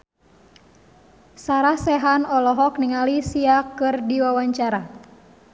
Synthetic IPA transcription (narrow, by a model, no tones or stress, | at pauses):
saɾahsɛɦanɔlɔɦɔkniŋalisiakɨrdiwawaɲt͡ʃaɾa